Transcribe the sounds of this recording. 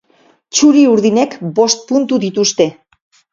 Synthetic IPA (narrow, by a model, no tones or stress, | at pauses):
t͡ʃuɾiuɾðine̞kbo̞st̪̚punt̪uðit̪ust̪e̞